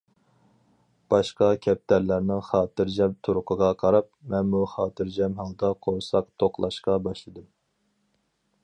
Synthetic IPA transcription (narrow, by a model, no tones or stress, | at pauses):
b̥ɑʃqɑkʲʰɛp̚t̪ʰæɾlæɾnɪŋχɑːt̪ɨɾd͡ʒɛmt̪ʰuɾʊqʰəʁɑqʰɑɾɑp̚mɛnmuχɑːt̪ʰɨɾd͡ʒɛmɦɑlˠd̪ɑqʰoɾsɑqt̪ʰoqlˠɑʃqɑbɑʃlˠɨd̪ɨm